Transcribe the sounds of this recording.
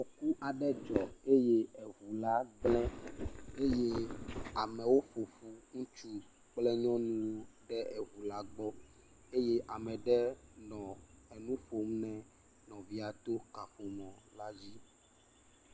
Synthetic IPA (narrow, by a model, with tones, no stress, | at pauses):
o˨ku˦ʔa˨ɖɛ˦d͡ʒɔ˨e˦je˦ɛ˨ɦu˨la˦ɡ͡blɛ̃˦e˦je˦a˨mɛ̃˨wo˦fo˨fu˦ŋũ˦t͡ʃu˦ | k͡plɛ˦ɲɔ̃˦nũ˦wo˦ɖɛ˦ʔɛ˨ɦu˨la˨ɡ͡bɔ˦ | e˦je˦ʔa˨mɛ̃˨ɖɛ˦nɔ̃˨ɛ˨nũ˦ɸo˨m˦nɛ̃˨ | nɔ̃˨vi˦a˨t̪o˦ka˨ɸo˨mɔ̃˨la˦d͡ʑi˦